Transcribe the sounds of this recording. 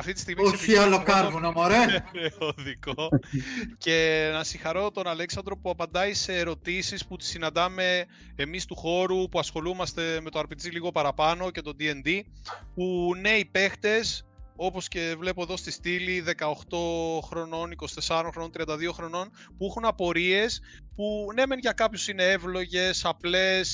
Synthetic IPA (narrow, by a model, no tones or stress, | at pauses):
ɐft̪it̪ist̪iɣmoçialokɐɾvunɐmoɾeeoðiko | ce̞nɐsiŋxɐɾo̞t̪o̞nɐleksɐnd̪ɾo̞puɐpɐnd̪ɐise̞ːɾo̞t̪isisput̪i̥sinɐnd̪ɐme̞ː | mist̪uxo̞ɾupuɐsxo̞lumɐst̪e̞me̞t̪oɐɾpid͡ziliɣo̞pɐɾɐpɐno̞ce̞t̪o̞d̪ie̞nd̪ipune̞ipe̞xt̪e̞so̞po̞sce̞vle̞po̞e̞ðost̪ist̪iliðe̞kɐoxt̪o̞xɾo̞no̞niko̞st̪e̞sɐɾonxɾono̞nt̪ɾiɐnd̪ɐðio̞xɾo̞no̞n | puixunɐpo̞ɾie̞s | pune̞me̞nʝɐkɐpçosine̞e̞vlo̞ʝe̞sɐple̞s